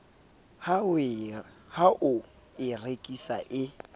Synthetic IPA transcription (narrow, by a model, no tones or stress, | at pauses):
h | haʔʊ | ɪrekʼisa̰ʔɪ